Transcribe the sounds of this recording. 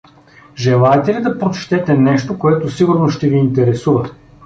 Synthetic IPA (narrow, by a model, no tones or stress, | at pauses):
ʒɛlˠaɛt̪ɛlid̪ɐpɾot͡ʃt̪ɛt̪ɛnɛʃt̪okoɛt̪osiɡʊɾnosʃt̪ɛviːnt̪ɛɾɛsuvɐ